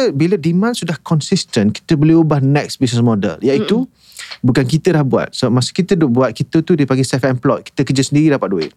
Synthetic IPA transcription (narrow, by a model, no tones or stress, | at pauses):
bilədimãnsudahkɔnsist̪ənki̥t̪əbəliubahnɛk̚sbis̬nəsmɔdə̰ljait̪u | bukankit̪əlahbua̰t̪̚səbap̚masu̥kit̪ədʊʔ̚buat̪̚kit̪ət̪udipaŋɡisɛfɛmplɔt̪̚ki̥t̪əkəd͡ʒəsəndiɾidapat̪̚duɪ̰ʔ̚